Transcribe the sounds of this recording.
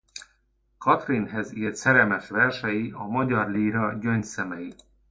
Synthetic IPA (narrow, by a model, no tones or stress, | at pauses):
kʰɒt̪rinɦɛziːlt̪sɛɾɛmɛʃʋɛrʃɛjiʔɒmɒɟɒrliːɾɒɟønt̪sɛmɛji